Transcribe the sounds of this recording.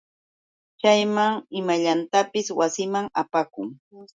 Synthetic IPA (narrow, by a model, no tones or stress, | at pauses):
t͡ʃajmaŋɪmaʎant̪apɪswasɪmaŋapakʊŋ